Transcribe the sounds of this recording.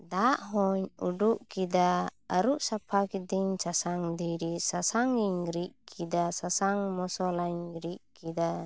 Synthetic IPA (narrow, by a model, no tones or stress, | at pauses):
d̪aʔɦɔɲṵɖuʔkid̪aəɾuʔsapʰakid̪iɲt͡ʃasaŋd̪ijɾisasaŋiɲɾiʔkʰid̪asasaŋmɔsɔlaɲɾiʔ̚kid̪a